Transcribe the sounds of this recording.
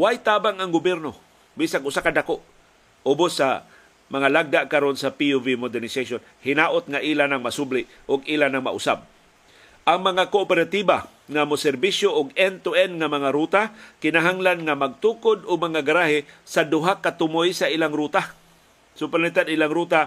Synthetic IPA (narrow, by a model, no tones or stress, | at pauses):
wajt̪aːbaŋaŋɡʊbjɛɾno | bisaɡʔʊsakadakoʔ | obʊsːa̰ | maŋalaɡ̚d̪aʔkaɾonsapiuvimod̪ɛɾnɪsaʃon | hɪnaːʔʊt̪̚ŋaʔiːlanaŋmasʊblɪ | ʔʊɡiːlanaŋma̰ʔʊ̰sa̰b̚ | ʔaŋmaŋakoʔpɛɾat̪iba | ŋamʊsɛɾbisjoʔʊɡɛnt̪uɛnŋamaŋaɾut̪akɪnaɦaŋlanŋamaɡ̚t̪uːkʊd̪ʊɡ̚maŋaɡaɾaɦɪsad̪ʊɦakːat̪ʊmojsailaŋɾut̪a | sʊplalit̪ad̪ilaŋɾuːt̪a